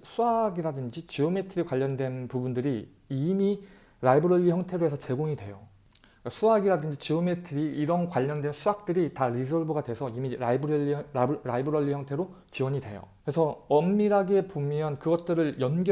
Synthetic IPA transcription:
sʰuaɡiɾadɯnd͡ʑit͡ɕiɯme̞tʰɯɾikwaʎːʌndwe̞npubundɯɾi | imi | ɾaibɯɾʌʎːiçjʌŋtʰe̞ɾoɦe̞sʰʌt͡ɕe̞ɡoŋidwe̞jo | kasʰuaɡiɾadɯnd͡ʑit͡ɕiɯme̞tʰɯɾiːɾʌnkwaʎːʌndwe̞nsʰuak̚t͈ɯɾitaɾis̬ʰʌɭbɯɡadwe̞sʰʌimiɾaibɯɾʌiɾaibɯɾʌʎːiçjʌŋtʰe̞ɾo | t͡ɕiwʌɲidwe̞̰jo̰kɯɾesʰʌʌmːiɾɦaɡe̞pomjʌnkɯɡʌt̚t͈ɯɾɯɭjʌnɡj

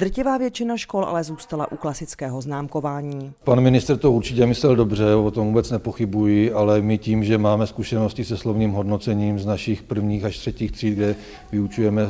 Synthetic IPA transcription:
d̪r̩cɪvaːvjɛt͡ʃɪnaʃkolʔa̰lɛzuːst̪alaʔuklasɪt͡skɛːɦoznaːmkovaːɲiːpanmɪnɪst̪ɾt̪ouɾt͡ʃɪcɛmɪslɛldo̞br̝ɛot̪omvuːbɛt͡snɛpoxɪbujɪʔalɛmɪciːmʒɛmaːmɛskuʃɛno̞scɪsɛslovniːmɦo̞dnot͡sɛɲiːmznaʃɪxpr̩vɲiːxaʃt̪r̥ɛciːxt̪r̝̥iːd̪̚ɡdɛ | vɪut͡ʃujɛmɛ

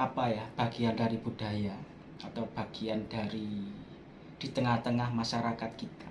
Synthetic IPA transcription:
apajahb̥aɡ̥iandaɾibudaja | at̪awb̥a̤ɡ̥iandaɾi | d̥it̪əŋaht̪əŋahmaʃaɾakat̪̚kit̪ḁ

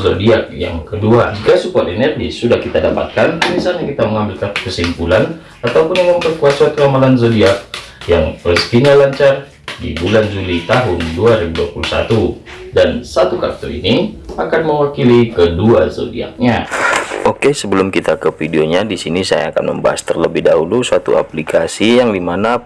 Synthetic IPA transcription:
zodiak̚ja̰ŋkəduad͡ʒikasupuat̪enɛrɡisudahkit̪adapa̰t̪̚kant̪unisalɲakit̪aməŋambɪlkat̪o̥kəsimpulan | at̪awpʊnmampərkuasat̪ɾamalanzodiak̚jaŋrəsk̪iɲalaɲt͡ʃar | dibuland͡ʒulit̪aɦʊnduaɾibuduapulusa̰t̪udansat̪ukat̪oḭniakanməŋwakilikəduazo̰dia̰k̚ɲa | okesəbəlʊmkit̪akəfideoɲadisinisa̰ja̰ːka̰nmə̰mba̰ɦa̰st̪ərləbɪhdaɦulusat̪ṵa̰plikasijaŋdimana

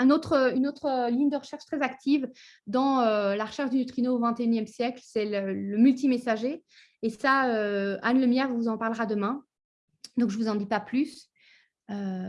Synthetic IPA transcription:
ɛ̃not̪χynot̪χəliɲd̪əʁəʃɛʁʃt̪χɛzakt̪ʰiv | d̪ɑ̃ølaʁəʃɛʁʃd̪ynyt̪χinoːvɛ̃t̪eynjɛmsjɛklsɛlələmylt̪imesaʒe | esaøanləmjɛʁvuzɑ̃paʁləʁad̪əmɛ̃ | d̪ɔ̃kʒəvuzɑ̃d̪ipaplys | ø

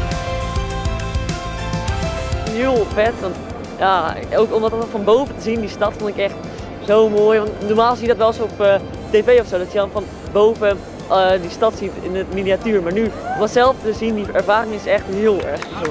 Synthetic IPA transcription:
ɦɪəlˠfɛtʋɔnt | ja | okomdɔtfɔnbowvətəzindistɑtfondɪkɛxt | sowmoːjʋɔntnoɹmaːlˠs̬iədɔtʋɛlˠsop | teːveːɔfsoːdɔtjədɔnfɔn | bowvə | distɑtsitɪnəminiatyːɹmaɹnyʋɔtsɛlˠftəzindiɛɹvaːɾɪŋɪsɛxtɪəlˠɛ̰ɹxbəso

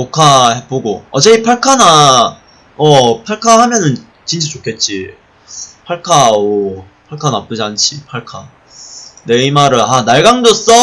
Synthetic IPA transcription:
kokʰahepoɡoʌd͡ʑeipʰaɭkʰana | ʌpʰaɭkʰahamjʌnɯn | t͡ɕint͡ɕʰat͡ɕokʰe̞t̚t͡ɕ͈i | pʰaɭkʰao | pʰaɭkʰanap͈ɯd͡ʑiant͡ɕʰipʰaɭkʰa | ne̞imaɾɯanaɭɡaŋdos͈ʌ

